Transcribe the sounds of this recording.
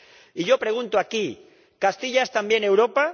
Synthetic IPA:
iʎopɾeɣ̞ũnt̪oaki | kast̪iʎaest̪ambjene̞wɾopa

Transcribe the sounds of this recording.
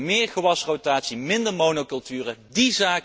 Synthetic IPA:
mɪːrχəʋɑsrowtaːtsimɪndəɹmownokɵlˠtyːrədizaːk

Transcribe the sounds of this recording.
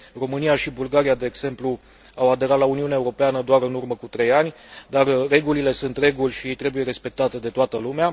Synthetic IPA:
ro̞mɨnijaʃibulɡaɾijad̪e̞ːɡse̞mplu | awad̪e̞ɾat̪launiuneaeuɾo̞peanəd̪oaɾɨnurməkut̪ɾe̞janʲ | d̪arːe̞ɡulile̞sunt̪re̞ɡulʲʃit̪ɾe̞buje̞ɾe̞spe̞k̚t̪at̪e̞d̪e̞t̪oat̪əlumea

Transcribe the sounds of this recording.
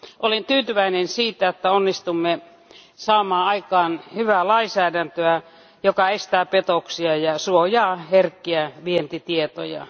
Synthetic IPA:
ʔolent̪yːt̪yʋæinensiːt̪æot̪ːæonːist̪umːe | sɑːmɑːɑikɑːnhyʋælɑisæːdænt̪øæ | jokɑest̪æːpet̪oksiɑjɑsuojɑːherkːiæʋient̪it̪iet̪o̰jɑ̰

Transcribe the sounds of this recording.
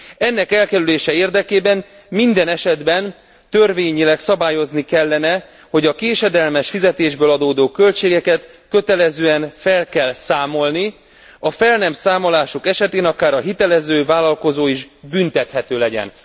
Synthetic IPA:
ɛnːɛkɛlkɛɾyleːʃɛeːrd̪ɛkeːbɛn | mind̪ɛnɛʃɛd̪bɛn | t̪ø̞rveːɲilɛksɒbaːjo̞znikɛlːɛnɛ | ho̞ɟɒkeːʃɛd̪ɛlmɛʃfizɛt̪eːʒbøːlɒd̪oːd̪oːkø̞lt͡ʃeːɡɛkɛt̪ | kø̞t̪ɛlɛzøːɛnfɛlkɛlsaːmo̞lni | ɒfɛlnɛmsaːmo̞laːʃokɛʃɛt̪eːnɒkaːɾɒɦit̪ɛlɛzøːvaːlɒlko̞zoːiʒbynt̪ɛt̪hɛt̪øːlɛɟɛ̰n

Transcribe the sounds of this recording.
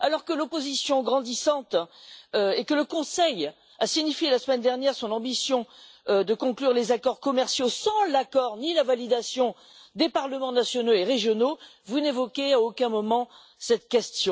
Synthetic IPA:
alɔʁkəlɔpozisjɔ̃ɡʁɑ̃d̪isɑ̃t̪ | ekələkɔ̃sɛj | asiɲifjelasəmɛnd̪ɛʁnjɛʁsɔ̃nɑ̃bisjɔ̃ | d̪əkɔ̃klyʁlezakɔʁkɔmɛʁsjosɑ̃lakɔʁnilavalid̪asjɔ̃ | d̪epaʁləmɑ̃nasjɔnoeʁeʒjɔno | vunevɔkʲeaokʲɛ̃mɔmɑ̃ | sɛt̪kʲɛst̪jɔ̃

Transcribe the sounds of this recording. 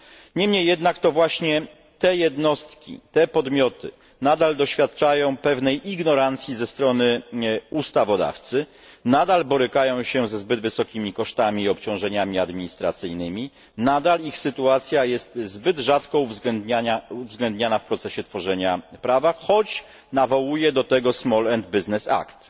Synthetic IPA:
ɲɛmɲejːɛd̪nakt̪ɔvwaɕɲɛ | t̪ɛjɛd̪nɔst̪kʲḭt̪ɛpɔd̪mʲjɔt̪ɘ̰ | nad̪ald̪ɔɕfʲjat̪̚t͡ʂajɔ̃w̃pɛvnɛjʔiɡnɔɾant̪sʲjizɛst̪ɾɔnɘust̪avɔd̪a̰ft̪sɘ | nad̪albɔɾɘkajɔ̃w̃ɕɛzɛzbɘd̪vɘsɔkʲimʲikɔʂt̪amʲiːɔpt͡ɕɔ̃w̃ʐɛɲamʲiad̪mʲiɲist̪ɾa̰t̪sɘjnɘmʲi | nad̪alixsɘt̪uat̪sʲjajɛst̪zbɘd̪ʐat̪kɔuvzɡɛd̪ɲaauvzɡlɛnd̪ɲanafpɾɔt̪sɛɕɛt̪fɔʐɛɲapɾavaxɔt͡ɕ | navɔwujɛd̪ɔt̪ɛɡɔsmɔlɛnd̪̚biznɛsa̰kt̪

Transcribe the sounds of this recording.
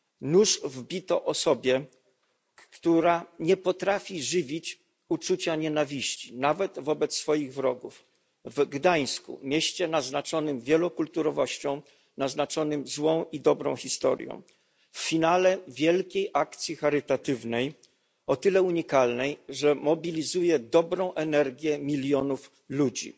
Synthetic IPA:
nuʂvbʲit̪ɔʔɔsɔbʲjɛ | kt̪uɾaɲɛpɔt̪ɾafʲiʐɘvʲit͡ɕ | ut͡ʂut͡ɕaɲɛnavʲiɕt͡ɕi̥navɛd̪vɔbɛt̪ssfɔjiɣvɾɔɡṵf | vɡd̪aj̃skṵmʲjeɕt͡ɕɛnaznat͡ʂɔnɘmvʲjɛlɔkult̪uɾɔvɔɕt͡ɕɔ̃w̃ | naznat͡ʂɔnɘmzwɔ̃w̃id̪ɔbɾɔ̃w̃xʲist̪ɔ̰ɾjɔ̰̃w̃ | fːʲinalɛvʲjɛlkʲejʔakt̪sʲjixaɾɘt̪at̪ɘvnɛj | ɔt̪ɘlɛuɲikalnɛjʐɛmɔbʲilʲizujɛd̪ɔbɾɔ̃w̃ʔɛnɛɾɡʲjɛmʲilʲjɔnuf | lud͡ʑḭ

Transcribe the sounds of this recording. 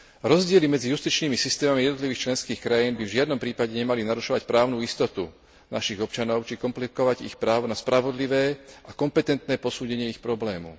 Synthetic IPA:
ɾɔzɟɪɛlimɛd͡zijust̪it͡ʃniːmisist̪ɛːmamijɛd̪nɔt̪liʋiːxt͡ʃlɛnskiːxkɾajiːnbivʒɪad̪nɔmpɾiːpaɟɛɲɛmalinaɾuʃɔʋacpɾaːʊnuːist̪ɔt̪u | naʃiɣɔp̚t͡ʃanɔʊt͡ʃikɔmplikɔʋaɟḭxpɾaːʋɔnaspɾaʋɔd̪liʋɛːʔakɔmpɛt̪ɛnt̪nɛːpɔsuːɟɛɲɪɛixpɾɔblɛːmṵ

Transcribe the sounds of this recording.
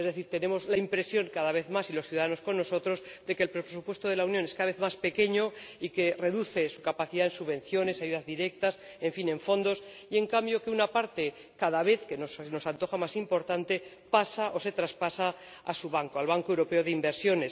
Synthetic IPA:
ezðe̞θiɾt̪e̞nẽ̞mo̞zlaimpɾe̞sjo̞ŋkaðaβ̞e̞θmasiloθjuðaðano̞sko̞nːo̞so̞t̪ɾo̞zd̪e̞kelpɾepɾesupwe̞st̪o̞ðe̞lawnjo̞ne̞skaðaβe̞θmaspe̞ke̞ɲo̞ike̞re̞ðuθe̞su̥kapaθiðaensuβẽ̞n̟θjo̞ne̞saʝuðazðiɾe̞k̚t̪as | e̞ɱfine̞ɱfo̞nd̪o̞s | ie̞ŋkambjo̞ke̞unapaɾt̪e̞ | kaðaβ̞e̞θke̞nosno̞sant̪o̞xamasimpo̞ɾt̪ant̪e̞ | pasaʔo̞se̞t̪ɾaspasa | asuβaŋkoalβaŋkoewɾo̞pe̞o̞ðeimbe̞ɾsjo̞ne̞s

